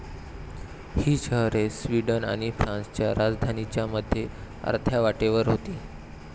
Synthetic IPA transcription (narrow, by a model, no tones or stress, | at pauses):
hiːɕəɦɾesʋiɖəna̰ɽ̃ifɾãnst͡ɕjaɾad͡zd̪ʱanit͡ɕjaməd̪ʱːje | ə̰ɾt̪ʰjaʋaʈeʋəɾɦot̪iː